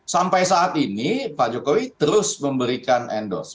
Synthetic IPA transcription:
sampajsaʔːt̪inipad͡ʒokowit̪əɾʊsməmbəɾikanʔɛndɔ̰s

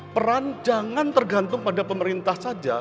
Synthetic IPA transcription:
pəɾand͡ʒaŋant̪ərɡant̪ʊŋpadapəməɾint̪ahsad͡ʒa̰

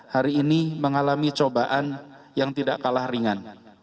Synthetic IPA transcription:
haɾiːniməŋalamit͡ʃobaʔan | jaŋt̪idaʔkalahriŋan

